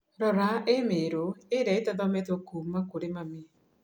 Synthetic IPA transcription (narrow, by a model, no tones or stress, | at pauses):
ɾɔɾaʔemeɾoeɾaitɔðɔmɛtɔkuːmakoɾemame